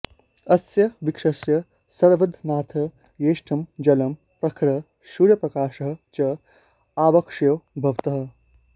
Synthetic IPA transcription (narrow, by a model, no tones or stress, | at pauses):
ɐsjɐʋikʂɐsjɐ | sɐɾʋɐd̪ʱnaːt̪ʰɐ | jeːʂʈʰɐmd͡ʒɐlɐm | pɾɐkʰɾɐ | ʃuːɾjɐpɾɐkaːʃɐɦɐ̆t͡ʃɐ | aːʋɐkʂjɐwbʱɐʋt̪ɐɦɐ̆